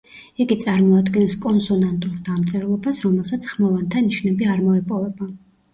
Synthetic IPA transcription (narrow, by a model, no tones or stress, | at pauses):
iɡit̪sʼaɾmɔad̪ɡɛnskʼɔnsɔnant̪ʼuɾd̪amt̪sʼɛɾlˠɔbasɾɔmɛlˠsat̪sʰχmɔvant̪ʰaniʃnɛbiaɾmɔɛpʼɔvɛba